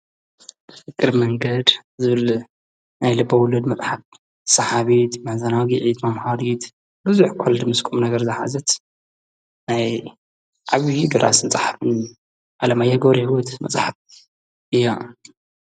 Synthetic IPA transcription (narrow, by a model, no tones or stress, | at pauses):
fɨkʼːɨɾmɐŋɡɐd̪zɨβɨl | najlɨbːɐwʊlɐd̪mɐt͡sʼħat̚ | sɐħaβit̪mɐħzɐnaɡiʕit̪mɐmhalit̪ | bɨzuħkʰold̪mɨskʼumnɐɡɐɾzɨħa̰zɐt̪ | naj | ʕaβid̪oɾa̰snt͡sʼħafɨn | ʔalɐmajːaɡoɾiwut̪mɐ̰t͡sʼħat̪̚ | ʔɨjːa